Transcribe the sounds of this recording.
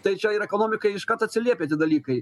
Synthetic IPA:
t̪ɐjt͡ʃajiɾɛkɔnɔmʲɪkɐjiʂkat̪ɐt͡s̪ʲɪlʲɛpʲɛt̪ʲɪd̪ɐlʲikɐj

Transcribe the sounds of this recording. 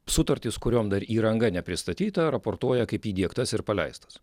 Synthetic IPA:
sʊt̪ɐɾʲt̪ʲɪskʊɾʲoːmd̪ɐɾiːɾɐŋɡɐnʲɛpʲɾʲɪst̪ɐt̪ʲiːt̪ɐɾɐpoːɾt̪uɔjɛkɐɪpiːd̪ʲiɛkt̪ɐsɪɾpɐlʲɛ̰ɪst̪ɐ̥s

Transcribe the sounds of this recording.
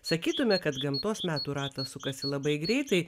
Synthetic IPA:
sɐkʲiːt̪ʊmʲɛkɐt̪ɡɐmt̪oːsmʲæːt̪uːɾɑːt̪ɐsʊkɐsʲɪlˠɐbɐɪɡɾʲɛɪt̪ɐɪ

